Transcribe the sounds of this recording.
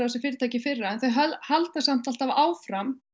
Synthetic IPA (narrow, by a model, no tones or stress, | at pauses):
awsɛfɪɾɪt̪ʰajcɪfɪrːaɛnθœɥɦœhalt̪asam̥t̪alt̪avaːwfɾam